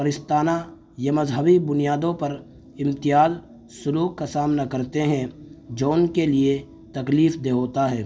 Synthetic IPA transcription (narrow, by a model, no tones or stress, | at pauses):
pəɾɪst̪aːna | jɐmɐzɦəbibʊnijaːd̪õpɐɾ | ɪ̃mt̪ɪjaːz | sʊluːkːasaːmnakɐɾt̪eɦɛ̃d͡ʒoːnkelie | t̪ɐkliːfd̪eɦoːt̪aɦɛː